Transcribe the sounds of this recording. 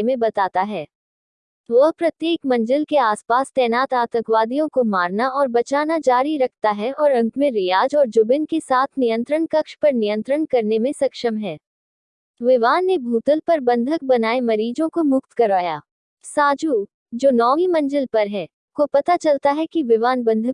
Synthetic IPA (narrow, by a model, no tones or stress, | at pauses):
mẽbɐt̪aːt̪aɦɛː | ʋɐɦpɾɐt̪jeːkmɐ̃ɲd͡ʒəlkeaːspaːst̪ɛːnaːt̪aːt̪ə̃kʋaːd̪ijõkomaːɾnaɔːɾbɐt͡ʃaːnad͡ʒaːɾiɾɐkʰt̪aɦɛɔːɾɐ̃ŋkmẽɾɪjaːd͡ʒɔːɾd͡ʒʊbɪnkesaːt̪ʰnijə̃nt̪ɾəɳkɐkʃpɐɾnijə̃nt̪ɾəɳkɐɾnemẽsɐkʃəmɦɛː | ʋɪʋaːnːebʱuːt̪əlpɐɾbɐ̃nd̪ʱək̚bɐnaːemɐɾiːd͡ʒõkomʊkt̪kɐɾaːja̰ː | saːd͡ʒu | d͡ʒoːnɔːŋimɐ̃ɲd͡ʒəlpɐɾɦɛː | kopɐt̪at͡ʃɐlt̪aɦɛkiʋɪʋaːnbɐ̃nd̪ʱək